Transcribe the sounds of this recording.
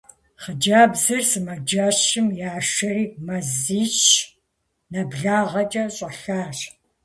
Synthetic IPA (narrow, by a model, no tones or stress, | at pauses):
χəd͡ʒaːbzɨrsɨmɐd͡ʒaːɕɪmjaːʃɐriːmɐziːʃ | nɐbɮaːʁɐt͡ʃʼɐɕʼɐɬaːr